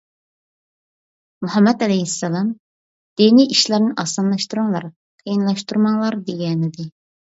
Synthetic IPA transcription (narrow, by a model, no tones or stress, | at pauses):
muɦɑmːɛt̪ɛlɛjhisːɛlˠɑm | d̪̥eniʔiʃlæɾnɪʔɑsɑnlˠɑʃt̪uɾuŋlˠɑ̰ɾ | qʰəjinlˠɑʃt̪uɾmɑŋlˠɑɾd̪eɡʲɛnɪd̪ɪ